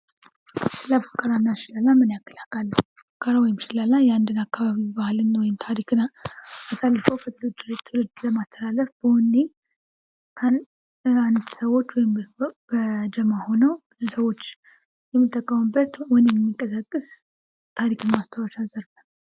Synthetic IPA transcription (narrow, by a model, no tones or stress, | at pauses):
sɨlafə̥kʼːəɾanːaʃɪlalːamɨnjakːəlakʼalːəhu | fəkʼːəɾawɔjɪmʃɪlalːajɛand̪ɨnakːaβaβibahɨlɨnwɔjɪmt̪ʰaɾikʰɨnaasalːəfəwkʰət̪ʰɨlɨd͡ʒ̪ɨɾt̪ʰːɨlɨd̪ləmast̪ʰəlaləfb̥əwɔnːe | kʰan | and̪səwo̞t͡ʃːwɔjɪmbəd͡ʒəmaho̞nəw | səwo̞t͡ʃː | jɛmːɨt̪ʼːəkʼːəmɨbət̪wɔnjɛmːikʼəsakʼːɨs | t̪ʰaɾikʰɨnmast̪ʰəwəʃazəɾlə